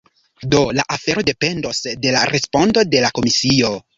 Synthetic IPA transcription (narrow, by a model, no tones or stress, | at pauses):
do̞laʔafe̞ɾo̞de̞pe̞ndo̞sde̞laɾe̞spo̞ndo̞de̞lako̞misio̞